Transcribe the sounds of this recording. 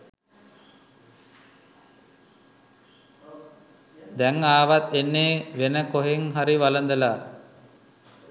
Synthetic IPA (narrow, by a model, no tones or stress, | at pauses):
d̪ɛŋaːʋat̪enːeːʋenəkoɦeŋɦaɾiʋalənd̪əlaː